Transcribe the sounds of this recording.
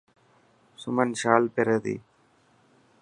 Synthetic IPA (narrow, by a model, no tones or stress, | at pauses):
sʊmɐnʃaːlpɪɾɐðḭ